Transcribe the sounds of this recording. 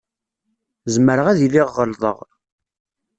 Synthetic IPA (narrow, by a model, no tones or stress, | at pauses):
zməɾəʁæðilɪʁːəlðˤə̰ʁ